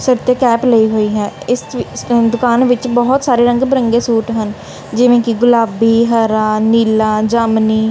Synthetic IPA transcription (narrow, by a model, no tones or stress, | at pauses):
səɾt̪ekɛːpləiɦoːiːɦɛːɪsd̪ʊkaːnʋɪt͡ʃbɔɦt̪saːɾeːɾə̃ŋɡbəɾəŋɡeːsuːʈɦən | d͡ʒɪʋẽːkiɡʊlaːbiːɦəɾaːniːlaːd͡ʒaːmniː